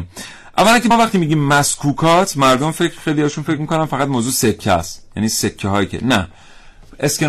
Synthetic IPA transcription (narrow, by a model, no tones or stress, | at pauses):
ʔæ̰vːælæŋkʰemvæχt̪iːmiːɟiːmːæskʰuːkʰɒːt̪ʰmæɾd̪omfecʰɾxejlijɒːeʃunfecʰmiko̞nænfæɣæt̪moːzuːse̞kʰːæst̪jæ̰niːsecʰːeɦɒːjicʰḛnæ̰ | e̞skʲe